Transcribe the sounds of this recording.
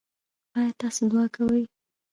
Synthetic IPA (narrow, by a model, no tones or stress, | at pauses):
bɑjat̪ɑsod̪wɑkawəj